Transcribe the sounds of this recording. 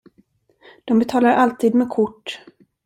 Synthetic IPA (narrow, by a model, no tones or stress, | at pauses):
d̪̥ɔmbɛt̪ʰɑːlaɾʔalt̪ʰiːd̪mɛːkʰʊʈː